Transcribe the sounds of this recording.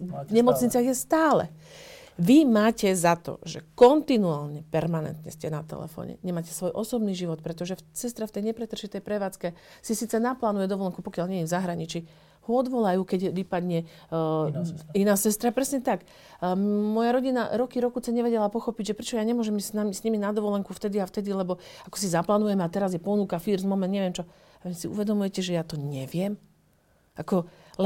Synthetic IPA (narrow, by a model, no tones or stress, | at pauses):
ɲɛmɔt͡sɲit͡sɪaɣjɛst̪aːlɛ̰ | ʋimaːcɛzat̪ɔ̰ʒɛkɔnt̪inuaːlɲɛpɛɾmanɛ̰nt̪ɲɛ̰scɛnat̪ɛ̰lɛ̰fɔ̰ɲɛ̰ɲɛmaːcɛsʋɔjʔɔsɔbniːʒiʋɔt̪̚pɾɛt̪ɔʒɛsɛst̪ɾaft̪ɛjɲɛpɾɛt̪r̩ʃit̪ɛjpɾɛʋaːt͡skɛsisiːt͡sɛnaplaːnujɛd̪ɔʋɔlɛŋkupɔkjalɲɛɛvzaɦɾaɲit͡ʃi | huɔd̪ʋɔlajuːkɛɟʋipad̪ɲɛ | inaːsɛst̪ɾapɾɛsɲɛt̪ak | mɔjaɾɔɟinaɾɔkiɾɔkut͡sɛɲɛʋɛɟɛlapɔxɔpiɟʒɛpɾɛt͡ʃɔjaːɲɛmʊɔʒɛmisnamisɲiminad̪ɔʋɔlɛŋkuft̪ɛd̪iaft̪ɛd̪ilɛbɔakɔ̥sizaplaːnujɛmɛat̪ɛɾazjɛpɔnuːkafiɾzmɔmɛnd̪ɲɛʋɪjɛmt͡ʃɔ | amisiṵʋɛd̪ɔmujɛcɛʒɛjat̪ɔɲɛʋɪɛm | ʔakɔl